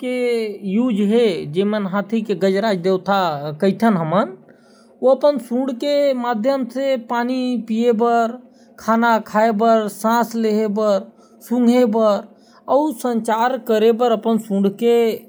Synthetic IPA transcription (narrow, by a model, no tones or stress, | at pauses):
kejud͡ʒɦed͡ʒemənɦãt̪ʰikeɡəd͡ʒɾaːd͡ʒd̪ewt̪ʰakəɪt̪ʰənɦəmən | oəpənsũɽkemaːd̪ʱjəmsepanipijebəɾ | kʰanakʰaebəɾsãːsleɦebəɾ | sũŋɡʱebəɾ | əʊsə̃ɲt͡ʃaːɾkəɾebəɾəpənsũɖ̤ke